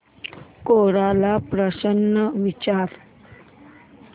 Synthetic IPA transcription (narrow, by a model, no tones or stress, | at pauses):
koɾalapɾəɕənːəʋit͡ɕaɾ